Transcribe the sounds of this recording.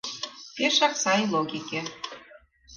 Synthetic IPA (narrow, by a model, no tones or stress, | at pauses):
peʃɑksɑjlˠoɡʲikʲe